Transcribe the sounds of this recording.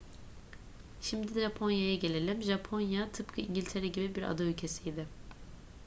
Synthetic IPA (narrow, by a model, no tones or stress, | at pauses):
ʃimd̪id̪ɛʒapʰo̞njajaɟe̞lʲe̞lʲimʒapʰo̞njat̪ʰɯpkʰɯiɲɟilʲt̪ʰeɾɛɟibibiɾa̰d̪aylʲcʰe̞sijd̪ɪ